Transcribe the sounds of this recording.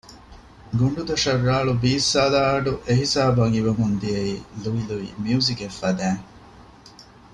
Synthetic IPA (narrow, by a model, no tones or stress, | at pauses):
ɡuɳɖud̪ɐʂɐrːaːɭubiːsːaːlaːɐɖuʔeɦisaːbɐŋiʋɐmund̪iɐiluʋiluḭmiuzikefːɐd̪æːŋ